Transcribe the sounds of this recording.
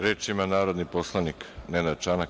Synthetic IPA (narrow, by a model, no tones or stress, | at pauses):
ɾeːt͡ʃimanaːɾo̞d̪niposlˠaniknenad̪t͡ʃana